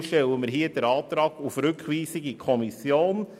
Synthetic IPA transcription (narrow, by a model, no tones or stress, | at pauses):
ʃtɛləməɾɦiəd̥əɾɑːtɾɑːɡ̥ufɾʉkʋiːsiɡikʰɔmisjoːn